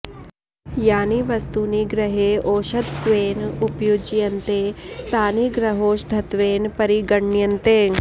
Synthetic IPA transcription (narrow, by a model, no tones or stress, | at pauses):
jaːniʋɐst̪uniɡɾɐɦeʔoːʃɐd̪ʋeːnupjoːd͡ʒjɐnt̪eːt̪aːniɡɾɐɦoːʃd̪ʱɐt̪ʋeːnpɐɾiɡɐɳːjɐnt̪eː